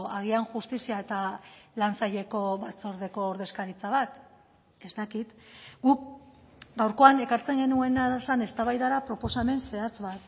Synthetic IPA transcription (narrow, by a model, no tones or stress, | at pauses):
aɣ̞ianʝust̪isiae̞t̪alansaʎe̞ko̞βat͡so̞ɾðe̞ko̞ːɾðe̞skaɾit͡saβat̪ | e̞zt̪akit̪ɡuk̚ | ɡawɾko̞ane̞kaɾt͡se̞ŋɡe̞nue̞naðsane̞st̪aβajðaɾapɾo̞po̞same̞nse̞at͡sβat̪